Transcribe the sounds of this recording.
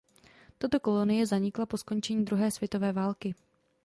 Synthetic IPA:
t̪at̪o̞ko̞lo̞nɪjɛzaɲɪklapo̞sko̞nt͡ʃɛɲiːd̪ɾuɦɛːsv̥jɛt̪o̞vɛːvaːlkɪ

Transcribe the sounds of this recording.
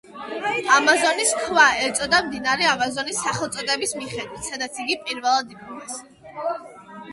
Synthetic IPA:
amazɔniskʰvaɛɾt̪sʼɔd̪amd̪inaɾɛamazɔnisːaχɛlˠt̪sʼɔd̪ʼɛbismiχɛd̪wit̪ʰsad̪at̪sʰiɡipʼiɾvɛlˠad̪ipʰumas

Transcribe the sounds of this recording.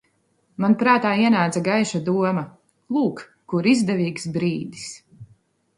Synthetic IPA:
manpɾaːt̪aːiɛnaːd̪zaɡajʃad̪uɔmɐ | lˠuːkː | uɾizd̪ɛviːksbɾiːd̪is

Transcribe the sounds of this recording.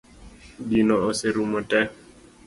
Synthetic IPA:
ɡinɔoseɾumɔtɛ

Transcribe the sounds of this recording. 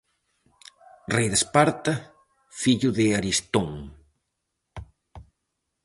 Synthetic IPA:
rejðespaɾt̪ɐ | fiʎʊðɪaɾist̪oŋ

